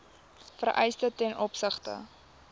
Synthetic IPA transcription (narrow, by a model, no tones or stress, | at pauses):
fərʔɛ̰jstətɛnɔpsəχtə̰